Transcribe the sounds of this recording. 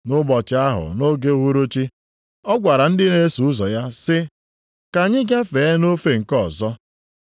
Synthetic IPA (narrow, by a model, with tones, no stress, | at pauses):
nʊ˦bɔ˨t͡ʃɪ˨˦a˦ɦʊ̰˨no˦ɡe˦ɦu˦ɾo˦t͡ʃi˦ | ɔ˦ɡʷa˨ɾa˨n̩˦dɪ˦ne˦su˨ʊ˦zɔ˨ja˦sɪ˦ | ka˨ɲɪ˦ɡa˦fe˨e˦no˦fe˨ŋ̩˨kɔ˦˨zɔ˦